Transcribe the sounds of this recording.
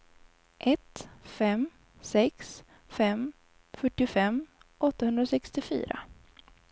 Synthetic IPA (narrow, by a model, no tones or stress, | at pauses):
ʔɛt̪fɛm | sɛks | fɛm | fœʈːɪfɛmʔɔt̪ːahɵnd̪ɾasɛkst̪ɪfy̰ːɾa̰